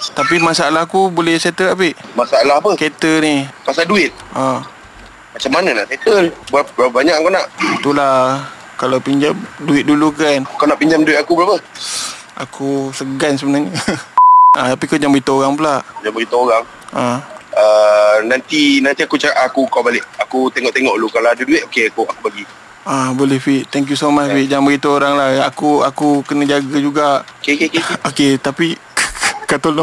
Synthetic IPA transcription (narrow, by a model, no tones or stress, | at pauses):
t̪apimasaalahakubolɛhset̪əapiʔmasaalahpəket̪ənipasalduɪt̪̚ʔa | mat͡ʃamːananaʔset̪əlbabaəbaɲakakanaʔit̪ula | kalawpiɲd͡ʒamduɪt̪̚dulukankawnaʔpiɲd͡ʒamduɪt̪̚akubəlapə | a̰kʰusəɡans̬əbənaɲa | ʔat̪ap̬ikad͡ʒambəɣit̪əoɾaŋpəlaʔd͡ʒambəɾit̪ooɾaŋ | aənant̪inant̪iakut͡ʃakaʔakukawbalɪʔakut̪eŋɔʔt̪eŋɔʔlukalaaduduɪt̪ʔ̚okeakuakubaɡi | abolɛhfiʔ̚t̪ɛŋk̬jusomat͡ʃfit̪̚d͡ʒambəɣit̪ooɾaŋlahakuakukənəd͡ʒaɡad͡ʒuɡaʔokekekekoket̪api | kat̪oln